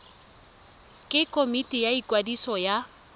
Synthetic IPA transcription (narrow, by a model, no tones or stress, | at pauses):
kʼɪkʼomitʼijaikʼwadisɔja